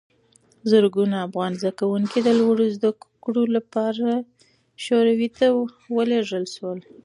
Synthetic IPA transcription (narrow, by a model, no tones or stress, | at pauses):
zəɾɡunaːfɣɑnzd̪akawuŋkid̪əlwaɽozd̪akkɽolapɑɾa | ʃoɾawit̪a | wəleʐəlʃwəl